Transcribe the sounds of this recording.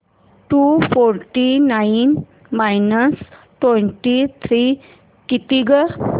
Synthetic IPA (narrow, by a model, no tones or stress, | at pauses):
ʈufoɾʈinajin | majnəs | ʈweɳʈit̪ʰɾi | kit̪iɡə